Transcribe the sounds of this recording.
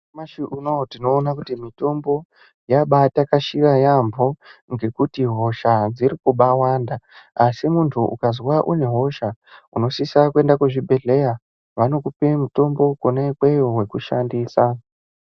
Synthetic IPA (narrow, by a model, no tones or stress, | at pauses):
aʃiʔuno̞tino̞ːnakutimito̞mbo̞ | jaɓatakaʃirajamboŋɡe̞kutiɦo̞ʃad͡ziɾikuɓawaːndaːsimuntʰuʔṵkazwaʔune̞ɦo̞ʃauno̞sisakue̞ndakeʐibʱe̞ɮe̞ja | ʋano̞kupe̞muto̞mbo̞konaikwejoɦwe̞kuʃandiːsa